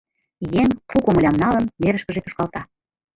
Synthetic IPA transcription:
jeŋpukomə̆lʲɑmnɑlənmeɾə̆ʃkə̆ʒet̪u̥ʃkɑlt̪ɑ

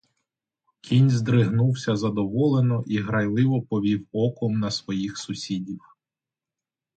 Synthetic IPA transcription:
kʰʲinʲzd̪ɾɪɦnuwsʲɐzɐd̪ɔʋɔlˠenɔʔiɦɾɐjlˠɪʋɔpɔʋʲiwɔkɔmnɐsʋɔjixsʊsʲidʲiw

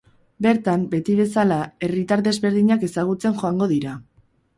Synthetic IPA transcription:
be̞ɾt̪ambe̞t̪iβ̞e̞salae̞rit̪aɾðe̞zβe̞ɾðiɲake̞saɣ̞ut͡se̞nxo̞aŋɡo̞ðiɾa

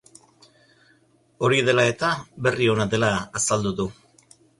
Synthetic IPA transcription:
o̞ɾiðe̞lae̞t̪aβe̞rio̞naðe̞laːsald̪uðu

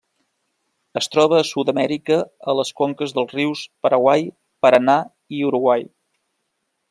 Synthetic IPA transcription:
əst̪ɾɔβ̞əːsut̪əmɛɾikəələskoŋkəzðəlˠzriwspəɾəɣwaj | pəɾəna | iuɾuɣwaj

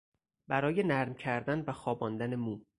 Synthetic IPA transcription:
bæɾɒːje̞næɾmcʰæɾd̪ænvæxɒːbɒːnd̪æne̞muː

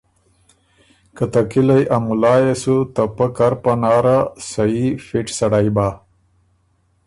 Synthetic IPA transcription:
kət̪ɐkilajʔamulaːjesut̪ɐpɐkaɾpanaːɾasɐifiʈsɐɽajbaː

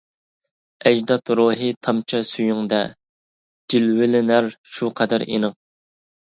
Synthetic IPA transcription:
ɛd͡ʒd̪ɑt̪ɾuɦɨt̪ʰɑmt͡ʃʰɑsyjyŋd̪ɛ | d͡ʒ̥ilwɪlɪnæɾʃuqʰɛd̪æɾḭnɨŋ

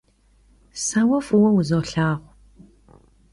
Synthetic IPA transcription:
saːwɐfuwɐwʊzoːɬaːʁʷ

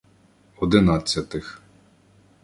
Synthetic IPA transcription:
ɔd̪ɪnɑt͡sʲːɐt̪ɪx

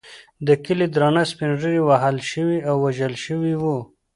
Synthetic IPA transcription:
d̪əkəlid̪ɾɑnaspinʐəɾiwaɦalʃəwiawːaʒəlʃəwiwu

